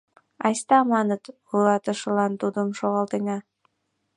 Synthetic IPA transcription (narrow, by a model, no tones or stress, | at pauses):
ɑjst̪ɑmɑnət̪ | ulɑt̪ə̆ʃə̆lɑnt̪ud̪əmʃoɣɑlt̪eŋɑ